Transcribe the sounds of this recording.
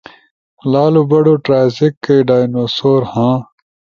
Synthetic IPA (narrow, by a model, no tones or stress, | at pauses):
laːlubɐɖoːʈɾaːjzikːejɖaːjnoːsoːɾhãː